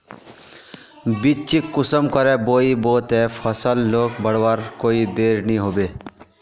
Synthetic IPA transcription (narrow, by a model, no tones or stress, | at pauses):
bit͡ʃikːʊsəmkɔɾɛboːiboːt̪ɛpʰəsəlːoːkbəɽʋaɾkoːid̪eːɾniɦoːbeː